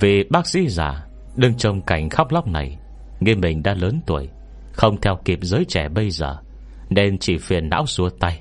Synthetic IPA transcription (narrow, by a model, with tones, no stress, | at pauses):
ve˨˩ɓaː˦˥k̚sḭ˧˥za̰ː˧˨˩ | ɗɨ˧əŋt͡ɕə˧wŋ͡mka˧˩jŋ̟xa˦˥k͡p̚la˦˥wk͡p̚na˨˩j | ŋi˧mːï˨˩ŋ̟ɗa̰ː˧˥ləː˨˦nt̪u˨˩əj | xə˧wŋ͡mt̪ʰɛ˧wki˨˩əp̚zəː˨˦jt͡ɕɛ˧˩ɓə˧jzəː˨˩ | ne˧nt͡ɕi˧˩fḭ˨˩ənːa̰ː˧˥wsu˨˦ət̪a˧j